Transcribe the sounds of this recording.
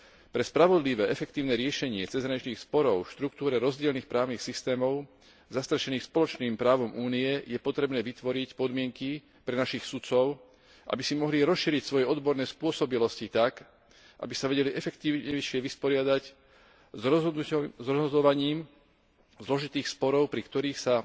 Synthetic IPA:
pɾɛspɾaʋɔd̪liʋɛːʔɛfɛkt̪iːʊnɛːɾɪɛʃɛɲɪɛt͡sɛzɦɾaɲit͡ʃniːxspɔɾɔʊfʃt̪ɾuk̚t̪uːɾɛɾɔzɟɪɛlniːxpɾaːʊnixsist̪ɛːmɔʊ | zast̪ɾɛʃɛniːxspɔlɔt͡ʃniːmpɾaːʋɔmuːniɛjɛpɔt̪ɾɛbnɛːʋit̪ʋɔɾicpɔd̪mɪɛŋki | pɾɛnaʃixsut̪t͡sɔʊ | ʔa̰bisimɔɦliɾɔsʃiːɾicsʋɔjɛɔd̪bɔɾnɛːspʊɔsɔbilɔscit̪ak | ʔa̰bisaʋɛɟɛliʔɛfɛkt̪iːʊɲɛjʃɪɛʋispɔɾɪad̪ac | z | zɾɔzɦɔd̪ɔʋaɲiːm | zlɔʒit̪iːxspɔɾɔʊpɾikt̪ɔɾiːxsa

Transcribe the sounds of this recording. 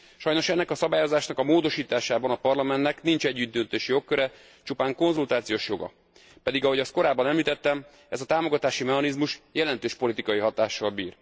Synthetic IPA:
ʃɒjno̞ʃɛnːɛkɒsɒbaːjo̞zaːʃnɒkɒmoːd̪o̞ʃiːt̪aːʃaːbɒnɒpɒrlɒmɛnt̪nɛknint͡ʃɛɟːyd̪̚d̪ønt̪eːʃjo̞kːøɾɛ | t͡ʃupaːŋko̞nzult̪aːt̪sijoːʃjo̞ɡɒ̰ | pɛd̪iɡɒɦo̞ɟɒst̪̚ko̞ɾaːbːɒnɛmliːt̪ɛt̪ːɛm | ɛzɒt̪aːmo̞ɡɒt̪aːʃimɛɦɒnizmuʃjɛlɛnt̪øːʃpo̞lit̪ikɒjiɦɒt̪aːʃːɒlbḭːr

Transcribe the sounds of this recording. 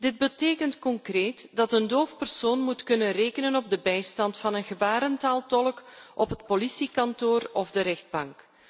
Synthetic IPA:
d̥ɪd̚bəteːkəntkɔŋkreːtdɑtəndoːfpərsoːnmutkɵnənreːkənənɔb̚dəbɛjstɑntfɑnənɣəbaːɾəntaːlˠtɔləkʔɔpɦət̚polisikɑntoːrɔvdəɾɛxd̚bɑŋk

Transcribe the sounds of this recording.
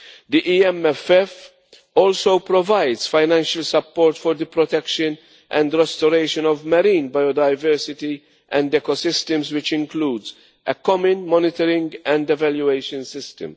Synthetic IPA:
d̪iʔiɛmɛfɛf | ɔːlsowpɾɔvajd̪z̥faɪnæ̃nʃəlsɐpːɔːɾt̪fɔɾd̪əpɾɔt̪ɛkʃə̃n | ʔɛ̃nd̪ɾɛst̪ɔɾeɪʃə̃nɔvmɐɾĩːnbajɔd̪ajvɛɾsɪt̪i | ʔɛ̃nd̪ɛkɔsɪst̪əmzwɪt͡ʃɪ̃ŋkluːd̪z | ɛkɔmə̃nmɔnɪt̪əɾɪ̃ŋɡɛ̃nd̪ɛvɛljueɪʃə̃nsɪst̪ə̰̃m

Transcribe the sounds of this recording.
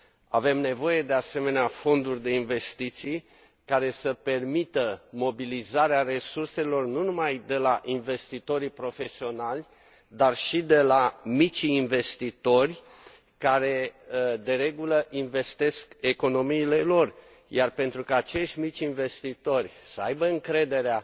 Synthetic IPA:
ave̞mne̞vo̞je̞d̪e̞ase̞me̞neafo̞nd̪urʲd̪e̞inve̞st̪it̪sij | kaɾe̞səpe̞rmit̪əmo̞bilizaɾeare̞surse̞lo̞rnunumajd̪e̞laʔinve̞st̪it̪o̞ɾipɾo̞fe̞sio̞nalʲ | d̪arʃid̪e̞lamit͡ʃːnve̞st̪it̪o̞rʲ | kaɾe̞d̪e̞ɾe̞ɡuləʔinve̞st̪e̞ske̞ko̞no̞miːle̞lo̞r | jarpe̞nt̪ɾukaːt͡ʃe̞ʃt̪ʲmit͡ʃʲinve̞st̪it̪o̞rʲsəajbəɨŋkɾe̞d̪e̞ɾea

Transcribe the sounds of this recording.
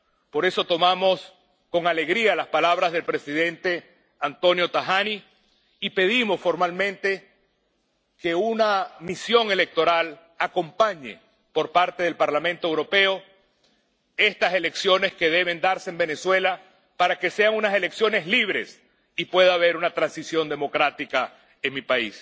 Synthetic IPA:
po̞ɾe̞so̞t̪o̞mamo̞s | ko̞ŋale̞ɣɾialaspalaβɾazð̞e̞lpɾesiðe̞nt̪e̞ | ant̪o̞njo̞t̪axani | ipe̞ð̞imo̞sfo̞ɾmalmẽ̞nt̪e̞ | ke̞unamisjo̞ŋe̞lek̚t̪o̞ɾal | ako̞mpaɲḛ | po̞ɾpaɾt̪e̞ð̞e̞lpaɾlamẽnt̪o̞ewɾo̞pe̞o | e̞st̪ase̞le̞ksjo̞ne̞ske̞ðe̞β̞e̞nd̪aɾseembe̞ne̞swe̞la | paɾake̞se̞aŋunase̞le̞ksjo̞ne̞sliβ̞ɾe̞s | ipwe̞ð̞aːβe̞ɾunat̪ɾansisjo̞nd̪e̞mo̞kɾat̪ika | eŋmipais

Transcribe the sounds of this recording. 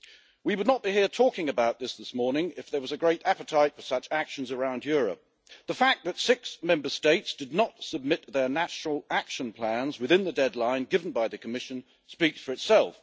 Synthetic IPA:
wiwədⁿnət̚b̥ihiɹtʰɔkɪ̃ŋɨbaʊt̪̚ðɪsðɪsmɔɹnɪ̃ŋɪfðə˞wʌzɨɡɹeɪɾæpɨtʰaɪtfə˞sʌt͡ʃækʃɨ̃n̩zə˞ãʊ̃ndjʊɹɨ̰p̚ | ðəfæk̚ðɨtsɪksmɛ̃mbə˞steɪtsd̥ɨdⁿnətsəb̚mɪt̪̚ðə˞næʃnl̩ˠækʃɨ̃npʰl̥æ̃nzwɨðɪ̃nðɨdɛdˡlãɪ̃nɡɪvn̩baɪðɨkʰəmɪʃɨ̃n | spiksfə˞ɨtsɛlˠf

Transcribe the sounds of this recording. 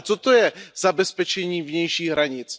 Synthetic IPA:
t͡sot̪ojɛzabɛspɛt͡ʃɛɲiːvɲɛjʃiːɣɦɾaɲɪt͡s

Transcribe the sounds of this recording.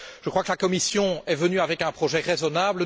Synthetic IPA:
ʒ̥əkχwakəlakɔmisjɔ̃ɛvənyavɛkɛ̃pχɔʒɛʁezɔnaːblə

